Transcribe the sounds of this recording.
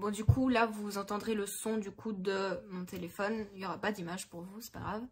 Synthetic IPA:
bɔ̃d̪ykʰulavuzɑ̃t̪ɑ̃d̪ʁeləsɔ̃d̪ykʰud̪əmɔ̃t̪ʰelefɔniljɔʁapad̪imaʒpuʁvusɛ̥pa̰ɡʁav

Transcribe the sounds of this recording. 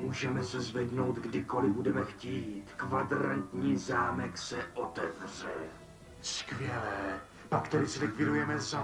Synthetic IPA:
muːʒɛmɛsɛzvɛdno̞wt̪ɡdɪko̞lɪbudɛmɛxciːt̪kvadɾa̰nt̪ɲiːzaːmɛksɛʔot̪ɛvr̝ɛ | skvjɛlɛː | pakt̪ɛdɪsɪvɪkvɪdujɛmɛza

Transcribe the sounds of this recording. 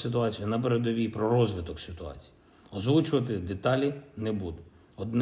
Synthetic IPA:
sɪt̪ʊɑt͡sʲijʊnɐp̬eɾed̪ɔʋʲipɾɔɾɔzʲʋɪt̪ɔksʲɪt̪ʊɑ̰t͡sʲi̥ji | ɔzʋut͡ʃʊʋɐt̪ɪd̪et̪ɑlʲinɛbud̪ʊ | ɔd̪n

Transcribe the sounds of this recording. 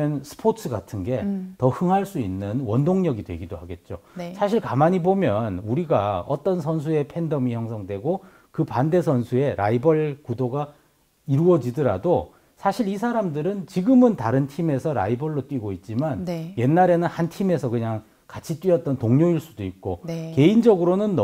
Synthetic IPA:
ʌnsʰɯ̥pʰotʰɯɡatʰɯnɡe̞tʌhɯŋɦaɭs͈uinːɯnwʌndoŋɲʌɡidwe̞̰ɡidohaɡe̞t̚t͡ɕ͈osʰaɕʰiɭkamaɲibomjʌnuɾiɡaʌ̰t͈ʌnsʰʌns̬ʰue̞pʰe̞ndʌmiçjʌŋs̬ʰʌŋdwe̞ɡo | kɯpande̞sʰʌnsʰue̞ɾa̰ibʌɭkudoɡa | iɾuʌd͡ʑidɯɾa̰do | sʰaɕʰiɾisʰaɾamdɯɾɯnt͡ɕiɡɯmɯntaɾɯntʰime̞sʰʌɾa̰ibʌɭːot͈wiɡoit̚t͡ɕ͈imanje̞nːaɾe̞nɯnhantʰime̞sʰʌkɯɲaŋ | kat͡ɕʰit͈ɥiʌt̚t͈ʌntoŋɲoiɭs͈udoik̚k͈oke̞ind͡ʑʌɡɯɾonɯnː

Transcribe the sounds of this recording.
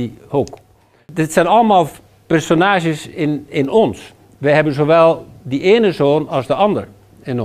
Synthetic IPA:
hok | dɪtsɛjnɑləmaːlˠ | pɛrsonaːʒjəsɪnɪnɔns | ʋəjɦɛbənzoːʋɛlˠdiʔeːnəzoːnɑlˠzdəɑndəɹ | ɪn

